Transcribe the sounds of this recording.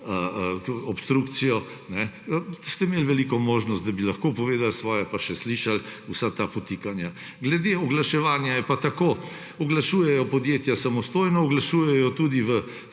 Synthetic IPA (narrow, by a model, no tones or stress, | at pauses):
əɔpst̪ɾukt̪sijɔ | nɛst̪ɛimelʋɛlikɔmoːʒnɔst̪̚d̪abilaxkopɔʋeːd̪alsʋɔːjɛpaʃɛsliʃalusat̪apɔt̪ikanja | ɡlɛd̪eɔɡlaʃɛʋaːnjajɛpat̪akoː | ɔɡlaʃuːjɛjɔpɔd̪jeːt̪jasamɔst̪oːjnɔɔɡlaʃuːjɛjɔt̪ud̪iʋə